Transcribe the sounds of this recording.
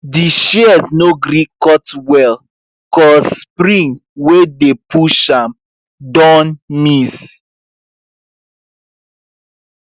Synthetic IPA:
diʃɛɛsnoɡɾikɔtwɛl | kɔssspɾĩŋwedepuʃãm | dɔ̃nmis

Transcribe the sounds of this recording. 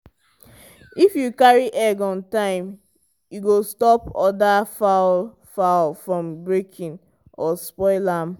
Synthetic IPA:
ifjukaɹiʔɛɡɔ̃ntãɪ̃m | juɡostɔpɔdafaʊl | faʊlfɹɔ̃mbɹekʰĩn | ɔspɔɪlãm

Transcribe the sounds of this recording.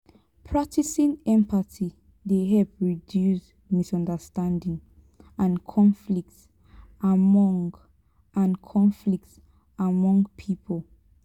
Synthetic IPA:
pʰɹak̚tʰisĩnɛ̃mpati | deɦɛlpɹidjus | misɔ̃ndəstãndĩŋ | ãnkʰɔ̃ɱflik̚ts | amɔ̃ŋɡ | ʔãnkʰɔ̃ɱflik̚ts | amɔ̃ŋɡpʰipʰɔl

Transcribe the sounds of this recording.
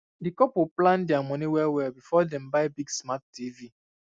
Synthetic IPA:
dikɔpuplãndiamɔniwɛlwɛlbifɔdɛ̃mbaɪbiɡsmat̚divi

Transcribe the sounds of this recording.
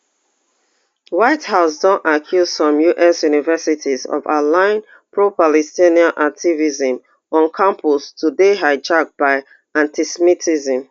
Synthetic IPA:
waɪthaʊsdɔ̃nʔakʰjuzfɔ̃mjuʔɛsjunivɛsitʰizɔ̰valãɪ̃n | pɹopalɛstiniãnʔak̚tʰivizə̃m | ɔ̃nkʰãmpʰɔstʰudeɦaɪd͡ʒak̚b̥aɪ | ãntisɛmitʰizə̃m

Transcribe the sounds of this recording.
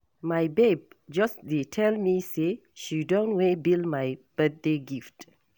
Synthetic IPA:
majbeb̚d͡ʒasdetʰɛlmiseʃidõntwebildmajb̥ɛt̪̚deɡift

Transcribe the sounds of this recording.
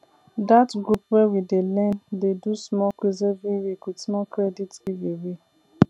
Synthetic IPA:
datɡɾupwewidelɛ̃ndedusmɔkʷezebiwikusmɔkɾeditɡiɡewi

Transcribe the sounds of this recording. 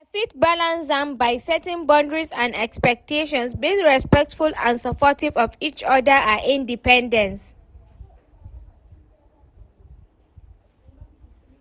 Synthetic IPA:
əfitbalãnsdãmbaɪsɛtɛ̃nbɔ̃ndɹizãnɛkspɛk̚tʰeʃɔ̃nsbiŋɹɛspɛk̚tfulã̰nsəpʰɔtivɔvit͡ʃɔdəʔaʔĩndipɛ̃ndɛ̃ns

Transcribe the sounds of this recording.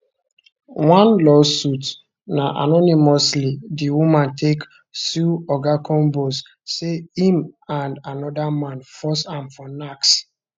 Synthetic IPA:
wãnlɔsut | naʔa̰nɔnimɔslidiwumãntʰek | suɔɡakʰɔ̃nbos | seĩmãndanɔdamãnfɔsãmfɔnaks

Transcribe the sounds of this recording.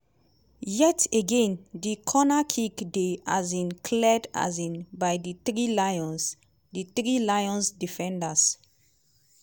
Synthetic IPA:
jɛteɡẽndikʰɔnakʰikdeazĩnkʰlɛda̰zĩnbajdiθɹilajɔ̃ns | diθɹilajɔ̃nsdifɛ̃ndas

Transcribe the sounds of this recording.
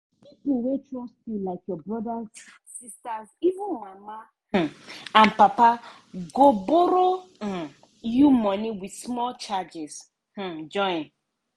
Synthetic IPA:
pipuwetɹɔstilaɪkjɔbɹɔdaz | sistazivũnmama | h̩ãnpapa | ɡoboɾo | jumɔniwidsmɔlt͡ʃad͡ʒɛz̥ | h̩d͡ʒɔ̃n

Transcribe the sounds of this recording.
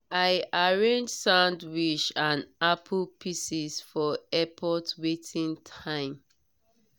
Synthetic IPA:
aɪaɹẽnd͡ʒsãʊndwiʃãnapʰlpʰisisfɔɛpʰɔtwetʰĩntʰãɪ̃m

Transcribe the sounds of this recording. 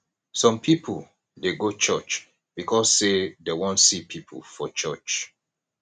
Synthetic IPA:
sɔ̃mpʰipʰu | deɡot͡ʃɜt͡ʃ | b̥ikʰɔsːedewɔ̃ntsipʰipʰlfɔt͡ʃɜt͡ʃ

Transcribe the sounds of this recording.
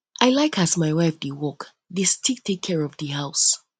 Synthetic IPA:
ʔaɪlaɪkʰazmaɪwaɪfdewɔk | dɪstʰek̚tʰekʰːɛɹɔvdiɦaʊs

